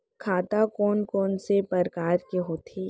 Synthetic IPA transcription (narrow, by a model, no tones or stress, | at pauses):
kʰaːt̪akɔːnkɔːnsepəɾkaːɾkeɦoːt̪ʰeː